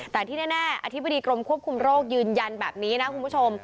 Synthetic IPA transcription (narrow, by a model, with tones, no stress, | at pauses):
t̪ɛː˨˩t̪ʰiː˥˩naː˥˩naː˥˩ʔa̰˧t̪ʰi˦˥ba˧diː˧kɾo˧mkʰu˥˩əp̚kʰu˧mɾoː˥˩k̚jɯː˧nja˧nbɛː˨˩p̚niː˦˥na˦˥kʰu˧nmʰpu˦˥˩t͡ɕʰo˧m